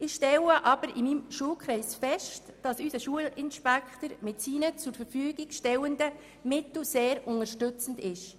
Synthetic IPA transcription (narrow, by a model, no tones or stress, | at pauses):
ɪxʃtɛləʔɑb̥əɾɪmiːmʃuəlkχɾɛɪsfɛʃtd̥ɑsysəʃuəlɪnʃpækχtəɾmɪtsiːnət͡sʊɾfəɾfyːɡɪɡ̥ʃtɛwəndə | mɪtl̩seːɾʊnəɾʃtʏt͡sn̩dɪʃ